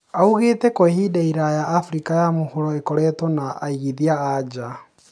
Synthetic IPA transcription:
auɣeːtɛkwɛhidaiɾajaːfuɾikajamohuɾɔekɔɾɛtɔnaʔaiɣiðiaːd͡ʒa

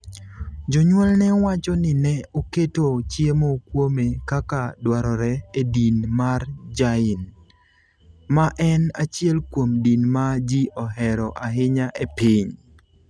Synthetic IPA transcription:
d͡ʒɔɲwɔlnɛwat͡ʃɔnɪnɛoketot͡ʃjemokwomekakadwaɾɔɾɛedinmard͡ʒaɪn | maʔɛnat͡ʃjɛlkwomdinmad͡ʒiʔɔɦɛɾɔʔaɦɪɲaʔepiɲ

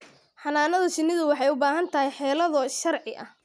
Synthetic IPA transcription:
ħɑnaːnɐðɐsɪnːɪðʊwɑħɑjʊbaːɦɐnt̪ʰɐɦɛjħɛːlɐðɐʃɐrʕɪʔɐ̰h

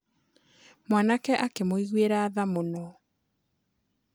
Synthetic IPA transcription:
mwanakɛʔakemoiɣweɾaːðamonɔ

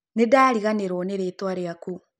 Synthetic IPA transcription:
nedaːɾiɣaneɾwɔneɾetwaɾeaku

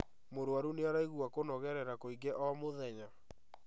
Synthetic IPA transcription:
moɾwaɾuneaɾaiɣuakonɔɣɛɾɛɾakoiɡɛʔɔmoðɛɲa

